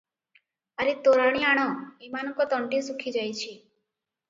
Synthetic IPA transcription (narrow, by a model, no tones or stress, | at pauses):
aɾit̪oɾaɽ̃iaɽ̃ɔemanɔkɔt̪ɔɳʈisukʰid͡ʒajt͡ʃʰi